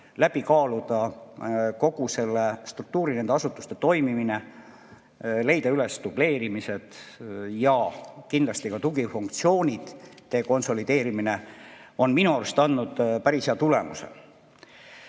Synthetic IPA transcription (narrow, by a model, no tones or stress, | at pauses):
læb̥ikɑːlud̪̥ɑ | ko̞ɡ̥use̞lːest̪ruk̚t̪uːɾine̞nd̪eɑsut̪ːˑu̥st̪e̞t̪o̞jmimine | le̞jd̪̥ɑylest̪ub̥le̞ːɾimise̞d̪̥jɑkind̪lɑst̪ikɑt̪uɡifuŋkt̪sio̞ːnʲid̪̥ːe̞ːko̞nso̞lid̪̥e̞ːɾimine̞o̞nminuɑɾust̪ɑnːud̪pæɾisheɑt̪ule̞̰mṵsḛ